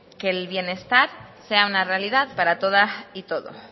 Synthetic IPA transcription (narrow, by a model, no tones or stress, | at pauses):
ke̞lβje̞ne̞st̪aɾse̞aunarealið̞aðpaɾat̪o̞ð̞ait̪o̞ðo̞̰